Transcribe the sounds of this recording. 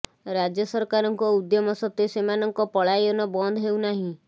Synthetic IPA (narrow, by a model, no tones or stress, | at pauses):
ɾad͡ʒjɔsɔɾkaɾɔŋkɔud̪jɔmɔsɔt̪esemanɔŋkɔpɔɭajɔnɔbɔnd̪ʱɔɦewnaɦĩ